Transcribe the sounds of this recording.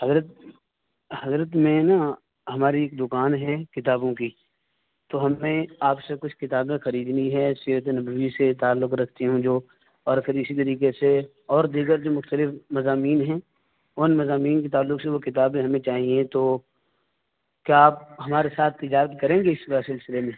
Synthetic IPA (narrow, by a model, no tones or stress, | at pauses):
hɐzɾət̪ | hɐzɾət̪mẽna | ɦɐmaːɾieːk̚d̪ʊkaːnɦɛkɪt̪aːbõki | t̪oɦɐmẽaːpsekʊt͡ʃʰkɪt̪aːbẽxɐɾiːd̪niɦɛːsiːɾət̪̬enɐbʋiset̪aːlːʊkɾɐkʰt̪iɦũd͡ʒoː | ɔːɾɐpʰɪɾɪsit̪ɐɾiːkese | ɔːɾd̪iːɡəɾd͡ʒoːmʊxt̪əlɪfʰmɐzaːmiːnɦɛ̃ | ʊnmɐzaːmiːnkit̪aːlːʊkseʋokɪt̪aːbẽɦɐmẽt͡ʃaːɦiẽt̪oː | kjaːp̚ɦɐmaːɾesaːt̪̚ʰːɪd͡ʒaːɾət̪kɐɾẽːŋɡeɪssɪlsɪlemẽː